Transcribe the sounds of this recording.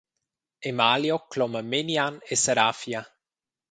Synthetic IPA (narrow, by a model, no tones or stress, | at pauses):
emaljoklɔməmenianesaɾafja